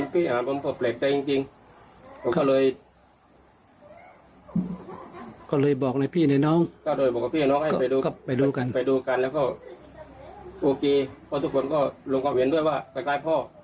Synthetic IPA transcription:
pʰiː˧˩ʔa˨aː˨˦nbɔ˧˦m˧pʰɤ˧˩plɛː˨˩k̚ka˧jt͡ɕi˧ŋt͡ɕi˧ŋ | kʰɔ˧˩kɔ˧˩lɤː˧j | kɔː˧˩lɤː˧jbɔː˨˩k̚na˧jpʰiː˥˩na˧˩jnɔː˧˥˨ŋkɔː˧˩doː˧˩jbɔː˨˩k̚a˧pʰiː˧˨˧nɔː˧˥ŋha˧˩˧pa˨jduː˧kɔ˧˩pa˨jduː˧ka˨npa˨jduː˧ka˨nlɛː˧˩wkɔː˧˥˩ | ʔoː˧keː˧pʰɔː˧˩t̪ʰu˧˩kʰo˧˦nkɔː˧˥˩lo˧ŋkɔ˧˩whe˧˦du˥˩əjwaː˧˩k̪a˧˩klaː˧˩jpʰɔː˧˩

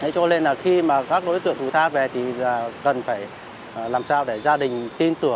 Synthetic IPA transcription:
ha̰˧˥˦jt͡ɕɔ˧le˧nlaː˨˩xi˧maː˨˩kaː˦˥k̚ɗo̰˧˥jt̪ɨ̰˧˨əŋt̪ʰu˧˩jt̪ʰaː˧ve˨˩t̪ʰi˨˩aː˨˩kə˨˩nfaː˧˩j | laː˨˩msaː˧wɗe˧˩zaː˧ɗï˨˩ŋ̟t̪i˧nt̪ɨ˧˩əŋ

